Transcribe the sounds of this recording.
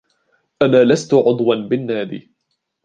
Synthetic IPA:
ʔanaːlast̪ʊʕʊd̪ˤwanbɪnːaːd̪ḭː

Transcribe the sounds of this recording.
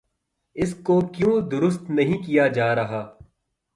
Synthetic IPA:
ɪskokjũːd̪ʊɾʊst̪nɐɦĩkijad͡ʒaːɾɐɦaː

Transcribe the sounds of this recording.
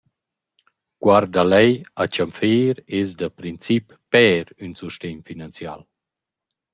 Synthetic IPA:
kwaɾd̪alɛjat͡ʃamfeːɾesd̪əpɾint͡sipːɛːɾynsuʃteɲfinant͡sja̰l

